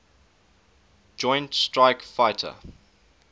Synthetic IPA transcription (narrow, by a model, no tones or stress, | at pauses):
d͡ʒɔ̃ɪ̃ntstɹaɪkfaɪtʰə̰